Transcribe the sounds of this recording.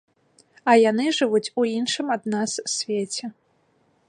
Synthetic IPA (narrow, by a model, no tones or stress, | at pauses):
ɐjanɨʐɨvut͡sʲuinʂɨmɐd̪̚nassʲvʲet͡sʲɛ